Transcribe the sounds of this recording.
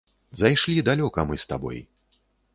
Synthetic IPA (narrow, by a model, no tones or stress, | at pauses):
zajʂlʲid̪alʲɔkɐmɨst̪a̰bɔ̰j